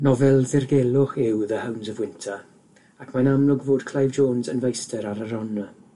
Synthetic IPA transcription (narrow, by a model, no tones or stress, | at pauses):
nɔvɛlˠðɪrɡɛlˠʊχɪwðəhəwnzəvwɪntʰə | akʰmanamlˠʊɡvoːdkʰl̥ˠajvd͡ʒoːnzənvejstəɾaɾəɾɔnə